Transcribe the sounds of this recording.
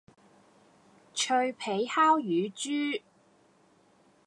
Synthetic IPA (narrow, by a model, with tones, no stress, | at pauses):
t͡ʃʰɵ˧ɥpʰe˨˥jhaː˥wjyː˨˧t͡ʃyː˥